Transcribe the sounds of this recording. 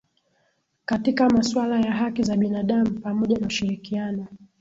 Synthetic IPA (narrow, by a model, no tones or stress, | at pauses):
katikamaswalajaɦakizaɓinaɗam̩pamɔʄanauʃiɾikianɔ